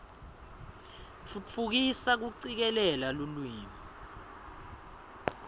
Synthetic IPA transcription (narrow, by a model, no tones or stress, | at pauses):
t͡fʰut͡fʰuk̬isak̬uǀik̬ɛlɛlalulwiːmɔ